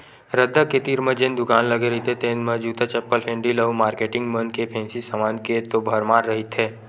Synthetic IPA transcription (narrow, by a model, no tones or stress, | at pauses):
ɾəd̪ʱːəket̪iːɾmə̃d͡ʒẽnd̪ʊkaːnləɡeɾɐɦit̪ʰet̪eːnmə̃d͡ʒuːt̪at͡ʃɛpːəlpʰẽːɳɖiləumaːɾkeːʈɪ̃ŋɡmə̃nkepʰẽːnsisəmaːnket̪obʱəɾmaːɾːɐɦit̪ʰɦeː